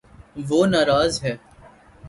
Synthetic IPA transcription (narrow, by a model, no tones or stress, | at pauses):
ʋoːnaːɾaːzɦɛː